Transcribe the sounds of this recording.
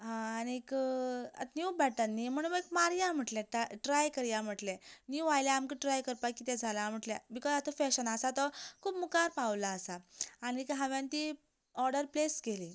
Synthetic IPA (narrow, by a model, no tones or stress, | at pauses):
ɦãañikə̰t̪njubɛʈənːim̤əɽ̃uekmaɾjãm̤əʈlɛ̃ʈaʈɾajkəɾjam̤əʈlɛ̃njuʋajlɛamkəʈɾajkəɾpajkit̪ɛ̃d͡zʱalam̤əʈlɛ̃bikɔzat̪əfɛɕənasat̪ɔkʰuːpmukaɾpaʋlaːsaːñikɦãʋjãnt̪i | ɔɾɖəɾplesɡeli